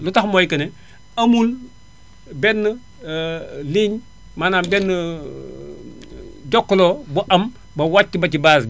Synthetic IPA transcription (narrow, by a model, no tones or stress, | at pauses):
lutahmoːjkəne | ɐmul | benːə | liɲ | manambenːə | ɟokːlobuʔɐm | bɐwat͡ʃːibat͡ʃibas